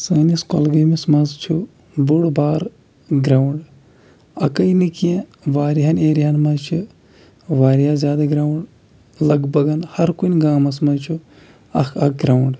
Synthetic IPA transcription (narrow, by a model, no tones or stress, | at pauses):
sɐːniskolɡɐjmismɐnzt͡ʃʰu | buɽbaːɾ | ɡɾawɳɖ | ɐkɐjnikiẽ | ʋaːɾiɦɐneːɾiɦɐnmɐt͡ʃʰi | ʋaːɾijaːzʲjaːd̪aɡɾauɳɖ | lɐɡbɐɡɐnhɐɾkunʲɡaːmɐsmɐt͡ʃʰu | ɐkʰɐk̚ɡɾauɳɖ